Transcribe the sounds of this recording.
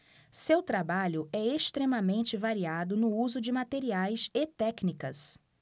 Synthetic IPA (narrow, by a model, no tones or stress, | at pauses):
sewt̪ɾabaʎʊɛest̪ɾẽmɐmẽnt͡ʃɪvaɾiad̪ʊnʊuzʊd͡ʒɪmat̪eɾiajset̪ɛknikɐs